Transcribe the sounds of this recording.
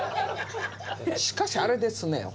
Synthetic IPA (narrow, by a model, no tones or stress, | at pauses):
ɕi̥kaɕaɾɯd̪es͈ɯnejo̰